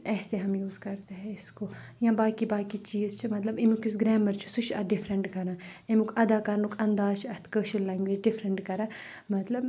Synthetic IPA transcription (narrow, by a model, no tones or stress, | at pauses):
ɛːseɦɐmjuːzkɐɾt̪eɦɛ̃ɪskojãːbaːkibaːkit͡ʃiːzt͡ʃʰɐmɐt̪lɐbemukjus̬ɡɾɛːməɾt͡ʃʰu̥sut͡ʃʰɐɖɪfʰɾə̃ɳʈkɐɾãːemukʰɐd̪aːkɐɾnukʰɐ̃nd̪aːt͡ʃʰɐst̪ʰkəːʃəllːɛːŋɡʋeːd͡ʒɖɪfʰɾəɳʈkɐɾãː | mɐt̪lɐb